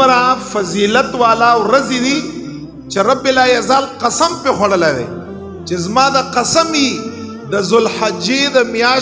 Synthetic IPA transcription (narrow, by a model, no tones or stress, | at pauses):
ɾãfɐziːlɐt̪waːlawɾɐzid̪i | t͡ʃeɾɐbɪlaːjɐzaːlqɐsɐmpexwɐɽəlad̪ɐ̰j | t͡ʃezmaːd̪əqɐsɐmi | d̪əzʊlhad͡ʒed̪əmjaː